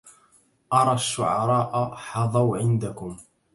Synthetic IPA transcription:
ʔɑɾˤɑʃːʊʕɑɾˤɑːʔħɑðˤɑwʕɪnd̪akʊm

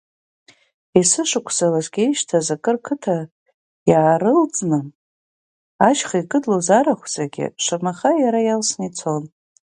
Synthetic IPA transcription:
isɨʂɨkʷʰz̥alazɡʲejʃtʰazakʼɨrkʰɨtʰa | jaːɾɨlt͡sʼnɨ | aʃχaikʼɨdlozaɾaχʷzaɡʲɪ̰ʂamaχajaɾajalsnit͡sʰon

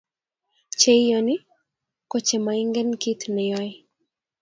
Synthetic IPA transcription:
t͡ʃɛijɔni | kɔt͡ʃɛmaiŋɡɛnkitnɛjɔj

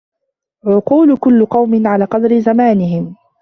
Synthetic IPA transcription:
ʕʊquːlʊkʊlːʊqɑwmɪnʕalaːqɑd̪ɾɪzamaːnɪɦɪm

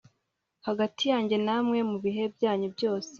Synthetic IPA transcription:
haɡatʰijaːɲɟe̞namŋe̞muβiɦe̞bjaːɲubjo̞ːse̥

